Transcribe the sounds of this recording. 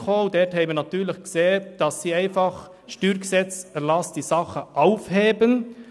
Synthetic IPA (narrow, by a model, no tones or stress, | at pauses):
χodɛthɛɪbənɑt̪yːlɪçɡ̥seːd̥ɑsːiːæɪnfɑχ | ʃtyːɾɡəsɛt͡sɛlɑsd̥iːsɑχəʔaʊfheːbən